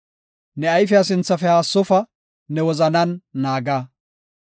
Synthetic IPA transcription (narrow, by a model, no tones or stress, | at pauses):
nɛɐjfɛɐsɪnt͡sːɐfɛaːsːɔfɐ | nɛwɔzɐnɐnːaːɡaː